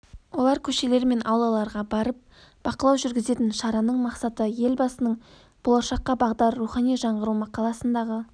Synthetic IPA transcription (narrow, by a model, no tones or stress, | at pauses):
wolˠɑɾkʲʰɵʃe̞le̞ɾme̞nʔɑwlˠɑlˠɑɾʁɑbɑɾəp̚ | b̥ɑqəlˠɑwʒʏɾɡʲɪze̞t̪ɪnʃɑɾɑnəɴmɑqsɑt̪əje̞lbɑsənəɴ | b̥o̞lˠɑʃɑqːɑbɑʁd̪ɑɾːuχɑnijʒɑɴʁəɾumɑqɑlˠɑsənd̪ɑʁə